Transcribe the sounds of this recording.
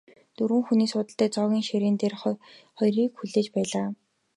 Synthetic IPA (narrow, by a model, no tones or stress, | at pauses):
t̪ɵɾwɘ̆ŋxuniːsʊːt̪ə̆ɬt̪æːt͡sɔːɣʲiːŋʃeɾeːnt̪eːrχɔχɔjriːkxuɮeːt͡ɕpæːɮaː